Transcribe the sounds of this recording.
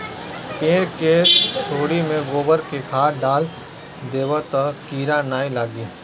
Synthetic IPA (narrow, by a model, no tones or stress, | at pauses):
kẽːɾkeːst͡ʃʰoːɽimẽɡoːbəɾkekʰaːɾɖaːl | d̪eːʋət̪əkiːɾanaːilaːɡi